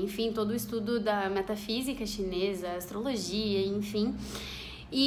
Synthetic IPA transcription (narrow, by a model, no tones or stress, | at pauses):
ẽfĩt̪od̪ʊist̪ud̪ʊd̪ɐmɛt̪afizikɐʃinezɐast̪ɾoloʒiɐẽfĩ | i